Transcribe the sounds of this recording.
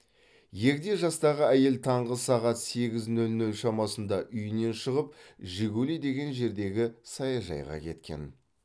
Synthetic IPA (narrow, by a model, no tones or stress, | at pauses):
je̞kd̪e̞ʒɑst̪ɑʁəæje̞lt̪ʰɑɴʁəsɑʁɑt̪se̞ɡʲɪznɵlnɵlʃɑmɑsənd̪ɑʔʏjɪne̞nʃəʁəp̚ʒɪɡʲulid̪e̞ɡʲe̞nʒe̞ɾd̪e̞ɡʲɪsɑjɑʒɑ̰jʁɑ̰kʲʰe̞t̪kʲe̞̰n